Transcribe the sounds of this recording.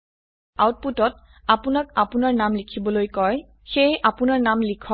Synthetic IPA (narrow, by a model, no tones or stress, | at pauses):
a̰wt̚putɔt̚ | apʊnak̚apʊnaɹnamlikʰibɔlojkɔj | xejʔapʊnaɹnamlikʰɔ